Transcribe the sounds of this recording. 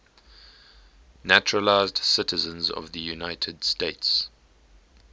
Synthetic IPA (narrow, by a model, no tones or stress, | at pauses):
næt͡ʃɹəlaɪzdsɪtəzə̃nzɔ̰vðəjunaɪtʰədsteɪts